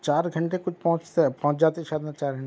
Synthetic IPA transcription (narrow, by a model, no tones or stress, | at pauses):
t͡ʃaːɾɡʱɐɳʈekʊt͡ʃʰpɐɦʊ̃t͡ʃt̪epɐɦʊ̃t͡ʃd͡ʒaːt̪eʃaːd̪nat͡ʃaːɾɡʱɐɳe